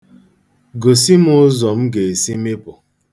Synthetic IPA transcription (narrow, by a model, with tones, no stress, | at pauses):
ɡo˨si˦mʊ˦zɔ˨m̩˦ɡe˨e˨si˦me˦pʊ˨